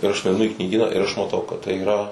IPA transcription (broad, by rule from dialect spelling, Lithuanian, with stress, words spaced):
ɪr ˈɐʃ nʊɐɪˈnʊ ɪ knʲiːˈɡʲiːnɑː ɪr ɐʃ mɐˈtɐʊ kɐt tɐɪ iːˈrɐ